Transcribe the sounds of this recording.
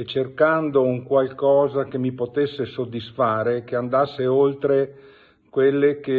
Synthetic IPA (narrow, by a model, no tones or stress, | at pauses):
et͡ʃerkand̪ouŋkwalkɔːzakemːipot̪esːesod̪ːisfaːɾekeand̪asːeolt̪ɾe | kwelːeke